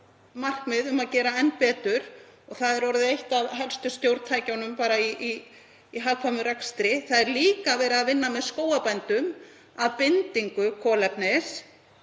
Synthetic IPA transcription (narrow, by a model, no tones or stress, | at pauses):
mar̥kmɪðʏmaðcɛːɾaɛn̚pɛːt̪ʏɾ̥ɔɣθaðɛɾɔɾɪðɪejht̪aðɦɛlst̪ʏst̪jowɾt̪t̪ʰaːjcawnʏmpaːɾaiiː | ɦaːwkʰvamʏɾɛkst̪ɾɪθaðɛɾliːkavɛːɾɪðaðvɪnːamɛðskoːwapɛnt̪ʏm | aðpɪnt̪iŋkʏkʰɔːlɛpnɛs